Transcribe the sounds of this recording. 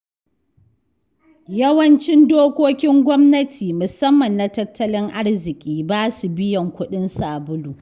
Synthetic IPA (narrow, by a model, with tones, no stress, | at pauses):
jɐ˦wɐ˦nt͡ʃɪ˦ndoː˦kʷoː˦kʲɪ˦ŋɡʷɔ˦mnɐ˦tʰiː˨mʊ˨sɐ˦mːɐ˨nːa˨tɐ˦tːɐ˦lɪ˦ŋʔa˦ɽzɪ˨kʲʼiː˦baː˦su˨bɪ˦jɐ˨ŋkʷʊ˦ɗɪ˦nsaː˨bʊ˦luː˨